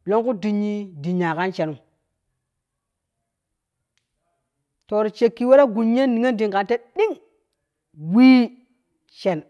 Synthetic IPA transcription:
lo˦ŋku˦di˨ɲːi˦di˨ɲa˨ka˦nt͡ʃe˨nu˨ | to˨ɾt͡ʃe˨kːi˨we˦ɾa˦ɡu˨ɲ˦a˦nni˨ŋe˦ndi˨ŋka˨te˦ɗi˦ŋ | wi˦ | t͡ʃe˨n

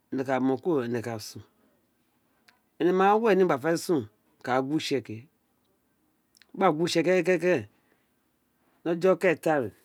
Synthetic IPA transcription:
ne˨ka˨mõ˨ko˦˨ne˨ka˨sũ˨ | e˨ne˨˦ma˦we˦˨ni˦a˨fa˦i˦sũ˦ | ka˨ɡʷu˦ʃe˨ke˨˦ | a˦˨ɡu˦ʃe˨ke˦ke˦ke˦˨˦ | no˦d͡ʒo˦kɛ˦˨ta˦ɾe˨

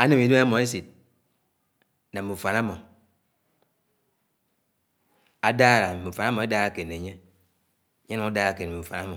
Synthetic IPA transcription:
a˦ne˦˨mi˨da˦mɔ˨e˦s̬i˨t̚ | na˨mːu˨fa˨na˦mɔ˨ | a˨daː˦˨ɾa˨mu˨fa˨na˦mɔ˨e˦da˦ɾa˨ke˨ne˨ɲe˦˨˦ | ɲe˦u˨˦a˦da˦ɾa˨ke˨n˨u˨fa˨na˦mɔ˨

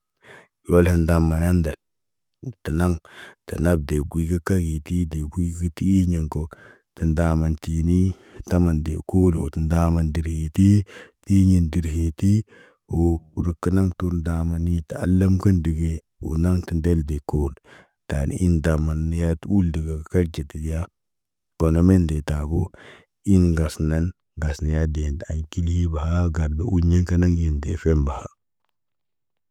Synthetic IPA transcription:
o˦lhi˨nda˨mːa˨ja˦nda˨l | tə˨na˦ŋtə˨na˦b̚de˨ɡʷi˨˦ɡə˦ka˦ɡi˨ti˦de˨ɡʷi˦ɡə˦ti˦i˦ɲi˨ŋko˦ | tə˨nda˨ma˨nti˨ni˦ | ta˦ma˨ndḛ˨ko˦lo̰˨tə˨nda˦ma˨ndi˨ɾhi˨ti˦ti˦ɲi˨ndi˨ɾhi˨ti˦ | o˨ɾə˨kːə˦na˦ŋtu˦ɾnda˨ma˨ni˦ta˨a̰˨˦lːə˦mkə˦ndi˨ɡe˦ | ṵ˨na˦ŋti˨nde˦lde˨ko˦d | ta̰˨n̰˨˦i˦nda˨ma˨n˦ja˦tu˦ldi˨ɡa˨ka˦ɾd͡ʒe˨ti˨˦ja˦ | b̥o˨no˨me˦nde˨ta˨bo˦ | i˦nɡa˨sna˦n | ɡa˨sna˨ja˦de˨nda˨nki˦lhi˦ba˨ha˦ɡa˨ɾba˨u˦ɲi˦ŋka˦na˦ŋji˨ndḛ˨fe˦mba˨ha˦

